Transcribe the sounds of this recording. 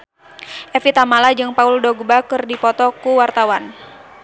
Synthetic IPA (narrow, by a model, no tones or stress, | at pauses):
ʔɛfit̪amalad͡ʒɨŋpauldɔɡbakɨrdipɔt̪ɔkuwart̪awan